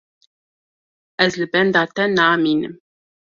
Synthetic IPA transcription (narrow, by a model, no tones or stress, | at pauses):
æzlɨbɛnd̪ɑt̪ɛnɑːminɨ̰m